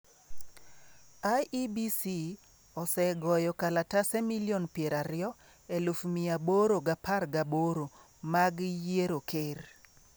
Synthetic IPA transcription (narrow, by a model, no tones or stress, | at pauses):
ajibisi | ɔsɛɡɔjɔkalatasɛmiljonpjeɾaɾɪjɔ | elufmiaboɾoɡaparɡaboɾo | maɡjeɾokʰer